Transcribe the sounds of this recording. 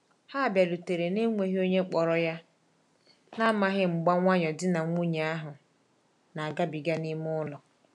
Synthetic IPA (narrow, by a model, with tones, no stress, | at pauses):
ha˦˨bja˨lu˨te˨ɾe˨ne˦ŋʷe˨ɦi˦o˦ɲe˦k͡pɔ˨ɾɔ˦ja˦ | na˦ma˦ɦɪ˦ŋ͡m̩˨ɡ͡ba˦ŋʷa˦ɲɔ˨dɪ˦na˨ŋʷu˦ɲe˨a˦ɦʊ˨ | na˨a˨ɡa˦bi˨ɡa˦ni˦m˦ʊ˦lɔ˨